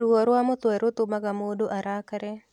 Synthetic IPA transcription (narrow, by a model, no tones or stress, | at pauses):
uɔɾoamot̪oɛɾot̪omaɡamodoʔaɾakaɾɛ